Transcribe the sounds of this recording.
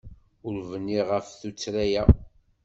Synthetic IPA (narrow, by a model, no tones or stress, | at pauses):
ʊɾvənːiʁəfθut͡sːɾæjæ